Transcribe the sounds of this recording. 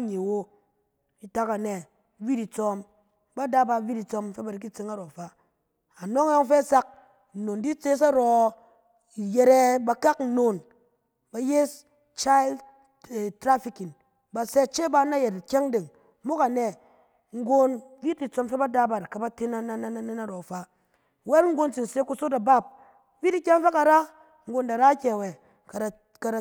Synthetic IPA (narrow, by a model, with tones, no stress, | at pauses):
a˦ɲe˨wo˦ | i˨ta˦ka˨ne˨˦ | vi˦di˨t͡sɔ˦m | ba˦da˦ba˧vi˦di˨t͡so˧mfe˦ba˨ɾi˨k̬i˦t͡se˦ŋa˦ɾɔ˨fa˦ | a˨no˦ŋ˦jɔ˦ŋ˦fe˦˨sa˦k̚ | n̩˨no˨ndi˦t͡se˦s̬a˦ɾɔ˨ | je˨ɾe˦ba˧ka˦kn̩˨no˨n | ba˨je˦s | t͡ʃa˦i˦l | tɾa˦fi˦ki˨n | ba˧se˦t͡ʃe˦ba˧˦na˦je˨tkʲe˦ŋde˨ŋ | mo˦ka˨ne˨ | ŋ̩˦ɡo˦nvi˦ti˨t͡so˧mfe˦ba˦da˧ba˨ɾka˨ba˦te˦na˦˨na˦na˦na˦ne˦na˦ɾɔ˨fa˨ | we˦lŋ̩˦ɡo˧nt͡si˨n˨se˦ku˧˦so˦ta˨ba˦˨p̚ | vi˦di˦kʲa˦ŋ˦fe˦ka˨ɾa˦ | ŋ̩˦ɡo˧nda˨ɾa˦kʲe˨we˨ | ka˨ | ka˨ɾa˨